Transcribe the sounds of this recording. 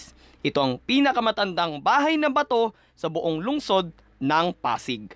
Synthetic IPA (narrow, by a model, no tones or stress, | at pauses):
ʔɪt̪o̞ʔɐŋpiːnɐkɐmɐt̪ɐnd̪ɐŋbaːɦɐjnɐbɐt̪o̞ | sɐbʊʔoŋlʊŋso̞d̪̚ | nɐŋpa̰ːsɪɡ̚